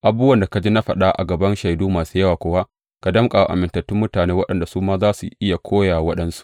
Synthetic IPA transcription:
ʔa˨buː˦wɐ˦nda˨ka˨d͡ʒi˦na˦ɸɐ˨ɗa˦ʔa̰˨ɡɐ˨bɐ˦nʃa˨jduː˦maː˨suː˦jɐ˦waː˨kʷoː˨˦wa˦ | ka˨dɐ˦mkʼa˨wa˨ʔa̰˨mɪ˨ntɐ˨tːʊ˦mːʊ˦taː˨neː˦wɐ˦ɗɐ˨nda˨suː˦maː˦zaː˦sṵ˨ʔɪ˦ja˨kʷʰoː˦ja˨wɐ˦ɗɐ˦nsu̥˨ʔ

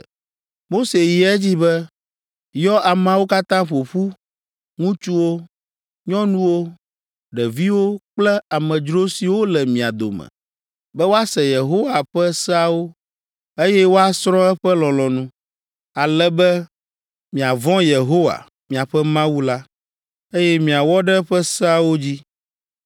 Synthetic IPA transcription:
mo˦se˨ji˨ɛ˦d͡ʑi˦bɛ˦ | jɔ˦ʔa˨m̃˨a˨wo˦ka˦t̪ã˦ɸo˨ɸu˦ | ŋũ˦t͡ʃu˦wo˦ | ɲɔ̃˦nũ˦wo˦ | ɖɛ˨vi˦wo˦k͡plɛ˦a˨mɛ̃˨d͡ʒɾo˦si˨wo˦lɛ˨mĩ˨a̰˨d̪o̰˨mɛ̰˨ | bɛ˦wo˦a˦sɛ˨je˨ɦo˦wa˨ɸɛ˦sɛ˦a˨wo˦ | e˦jɛ˦wo˦a˦sɾɔ̃˦ɛ˦ɸɛ˦lɔ̃˨lɔ̃˨nũ˦ | a˨lɛ˦bɛ˦ | mĩ˨a˨vɔ̃˦je˨ɦo˦wa̰˨ | mĩ˨a˨ɸɛ˦mã˦wu˦la˦ | e˦jɛ˦mĩ˨a˨wɔ˦ɖɛ˦ɸɛ˦sɛ˦a˨wo˦d͡ʑi˦

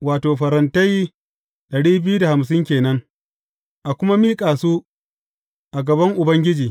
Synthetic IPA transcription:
waː˨toː˨ɸɐ˨ɾɐ˨ntɐ˦j | ɗɐ˨ɽiː˦bɪ˦ju˦da˨ha˨ms̬ɪ˦ŋkʲeː˨nɐ˦ŋ | ʔa˨kʷʊ˦ma˦miː˦kʼaː˨suː˦ | ʔa˨ɡɐ˨bɐ˦ŋʔʊ˨bɐ˦ŋɡʲɪ˦d͡ʒiː˨

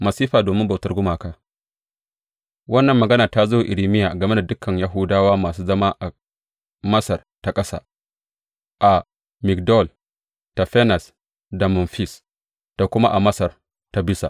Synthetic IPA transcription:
mɐ˨siː˦ɸaː˨doː˨mɪ˦mba˨wtɐ˦rɡʷʊ˦maː˨kaː˦ | wɐ˦nːɐ˨mːɐ˨ɡɐ˦na˨ta˦zo˦˨ʔɪ˨ɾi˨mɪ˦jaː˨ɡɐ˨me˦da˨dʊ˦kʰɐ˨ɲja˦ɦʊ˦daː˦waː˦maː˨s̬uː˦zɐ˦maː˦ʔa˨ | mɐ˦sɐ˨rta˦kʼɐ˦sa̰ː˦ | ʔa˨ | mɪ˨kdɔ˦˨l | ta˨ɸɛ˦na˨s | da˨mʊ˨nɸi˦s | d̥a˨kʷʊ˦ma˦ʔa˨mɐ˦sɐ˨r | ta˦bɪ˦sa̰˨

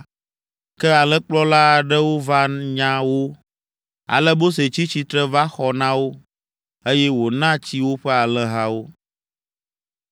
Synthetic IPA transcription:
kɛ˦a˨lɛ˦k͡plɔ˦la˦˨ɖɛ˦wo˦va˦ɲã˦wo˦ | a̰˨lɛ˦bo˦s̬e˨t͡ɕi˦t͡ɕi˦t̪ɾɛ˦va˦xɔ˨nã˦wo˦ | e˦jɛ˦wo˨nã˦t͡ɕi˦wo˦ɸɛ˦a˨lɛ˦ɦa˦wo˦

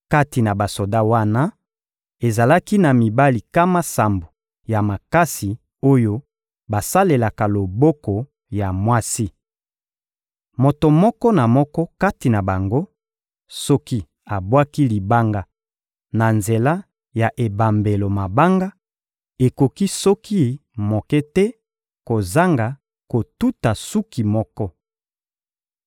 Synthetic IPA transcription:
ka˦ti˨na˨ba˨so˨da˦wa˦na˦ | e˨za˨la˦ki˦na˨mi˨ba˦li˨ka˦ma˦sa˨mbo˨ | ja˨ma˨ka˦si˨ | o˦jo˦ | ba˨sa˦le˨la˨ka˨lo˨bɔ˦kɔ˨ | ja˨mwa˦si˦ | mo˨to˨mɔ˦kɔ˦na˨mɔ˦kɔ˦ka˦ti˨na˨ba˨ŋɡo˦ | sɔ˦ki˦ | a˨bwa˦ki˦li˨ba˦ŋɡa˨ | na˨nze˨la˦ | ja˨ʔe˨ba˨mbe˨lo˨ma˨ba˦ŋɡa˦ | e˨ko˨ki˦sɔ˦ki˦mo˨kɛ˦tɛ˦ | ko˨za˦ŋɡa˨ | ko˨tu˦ta˨su˦ki˨mɔ˦kɔ˦

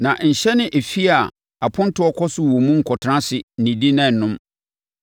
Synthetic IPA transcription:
nã˨ɲ̩˨ɕɛ˦nɪ̃˦ʔe˨fi˦a˨ | a˨pʰʊ̃˦n˦tʰʊ˦ɔ˦kʰɔ˦sʊ˨wɔ˨mũ˦ŋ̩˨kʰɔ˨tʰã˦sɪ˨nĩ˨di˦nã˦˨nʊ̃˦m

